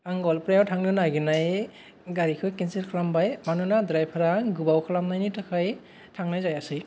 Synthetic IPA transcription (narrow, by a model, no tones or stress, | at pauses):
aŋɡɔlpɾajawtʰaŋlɯnaɡɯnaj | ɡaɾikʰɯjkensiɾkʰalambajmanunadɾajpʰaɾaɡubawkʰalamnajnitʰakʰaj | tʰaŋnajzajasɯj